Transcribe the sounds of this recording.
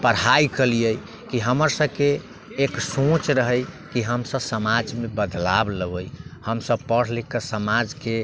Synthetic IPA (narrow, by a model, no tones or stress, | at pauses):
pəɽajkəlijəj | kiɦəməɾsəkeː | ksõt͡ʃɾəɦəj | kiɦəmsəbsəmad͡ʒmebəd̪labləbəjhəmsəbpəɽ̤likəsəmad͡ʒke